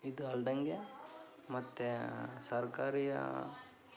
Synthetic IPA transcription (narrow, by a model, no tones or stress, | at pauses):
id̪uɐld̪ɐŋɡe | mɐt̪ːesɐɾkaːɾijɐ̰